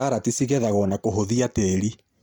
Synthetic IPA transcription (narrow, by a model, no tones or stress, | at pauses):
aɾatisiɣɛðaɣɔnakoɦoðiateɾi